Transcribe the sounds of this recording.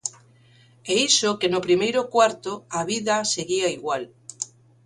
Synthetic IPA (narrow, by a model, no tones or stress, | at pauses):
eisokenopɾimejɾokwaɾt̪oaβiðaseɣiaiɣwal